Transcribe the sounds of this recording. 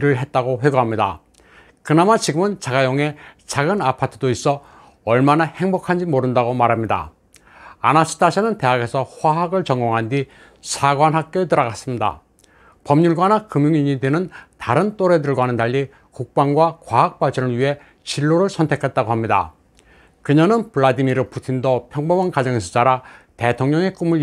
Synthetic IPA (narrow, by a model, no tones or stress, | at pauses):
iɾɯɭɦe̞t̚t͈aɡoɸweɡuɦamɲida̰ | kɯnamat͡ɕiɡɯmɯnt͡ɕaɡajoŋe̞t͡ɕaɡɯnapʰatʰɯdois͈ʌ | ʌɭmanahe̞ŋbokʰand͡ʑimoɾɯndaɡomaɾɦamɲida̰ | a̰nasʰɯ̥tʰaɕʰenɯnte̞ɦaɡe̞sʰʌɸwaɦaɡɯɭt͡ɕʌŋɡoŋɦandi | sʰaɡwanɦak̚k͈jot̬ɯɾʌɣas͈ɯmɲida̰ | pʌmɲuɭɡwanakɯmjuŋiɲidenɯntaɾɯnt͈oɾedɯɭɡwɦanɯntaʎːi | kuk̚p͈aŋɡwakwaɦak̚p͈aɭt͡ɕʰʌnɯɭɥiɦe̞ | t͡ɕiɭːoɾɯɭsʰʌntʰe̞kʰet̚t͈aɡoɦamɲida̰ | kɯɲʌnɯnpɯɭːadimiɾɯpʰutʰindopʰjʌŋbʌmankad͡ʑʌŋesʰʌt͡ɕ͈aɾate̞tʰoŋɲʌŋe̞k͈umɯɭ